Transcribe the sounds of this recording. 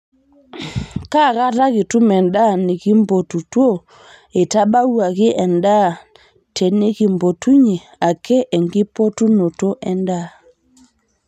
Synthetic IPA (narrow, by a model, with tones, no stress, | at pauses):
ka˦˨ɣa˦ta˦ɣɪ˨tu˦mɛ˨nda˦˨ne˨ɣi˦mbɔ˨tu˨twɔ˦ | e˨ta˦ba˦u˦a˨ɣɪ˦ʔɛ˨nda˦˨ | tɛ˨ne˦ɣi˨mbɔ˨tu˦ɲe˨ | a˨kɛ˦ʔɛ˨ŋɡɪ˦pɔ˦tu˦no˨tɔ˦ʔɛ˦nda˦˨